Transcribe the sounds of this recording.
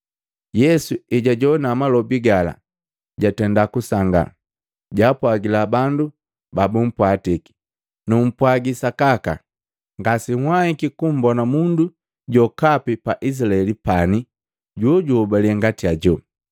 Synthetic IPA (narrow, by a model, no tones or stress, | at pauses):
jɛsuiɟaɟɔnamalɔbiɡala̰ | ɟatɛndakusaŋɡa̰ | ɟaːpwaɡilabandu | babum̩pwatiki̥ | num̩pwaɡisakaka̰ | ŋɡasihwahikikum̩bɔnamundu | ɟɔkapipaʔis̬ilaɛlipani | ɟɔɟɔbaliɛŋɡatiaɟɔ